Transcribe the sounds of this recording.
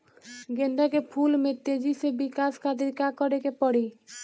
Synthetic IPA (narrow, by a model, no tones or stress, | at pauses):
ɡend̪akepʰulmet̪ːed͡ʑisebikaskʰad̪iɾkakɔɾekepɔɽi